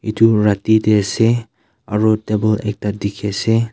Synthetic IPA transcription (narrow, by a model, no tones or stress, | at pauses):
itʰuɹatidese | aɹɔtebɔlɛ̰k̚tadikʰese